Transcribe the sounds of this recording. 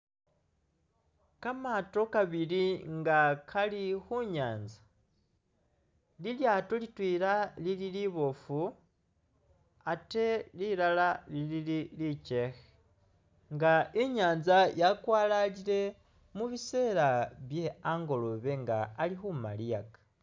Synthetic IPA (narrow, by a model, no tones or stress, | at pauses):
kamato̞kaβiliŋɡakʰalixuɲaːnzḁ | liljatolitwiːɾalililiβo̞fu | ate̞lilalalilililit͡ʃe̞xe | ŋɡaiɲaːnzajakwaːlalile̞ | muβise̞ːɾaβje̞aŋɡo̞lo̞βe̞ŋɡaːlixuma̰lijakḁ